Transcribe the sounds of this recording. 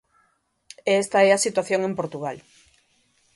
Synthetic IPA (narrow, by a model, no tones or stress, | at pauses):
eest̪aɛasit̪waθjoŋempoɾt̪uɣal